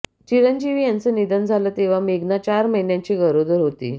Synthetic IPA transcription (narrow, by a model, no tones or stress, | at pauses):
t͡ɕiɾənd͡ʑiʋiːjant͡sənid̪ənd͡zʱaləːt̪eʋ̤ameɡnat͡ɕaɾməɦinjãɲt͡ɕiːɡəɾod̪əɾɦot̪ḭː